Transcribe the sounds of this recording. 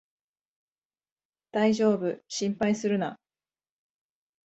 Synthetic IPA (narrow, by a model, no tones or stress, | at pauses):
d̪̥aiʑo̞ːbɯ̟ɕĩmpaisɨɾɯ̟na̰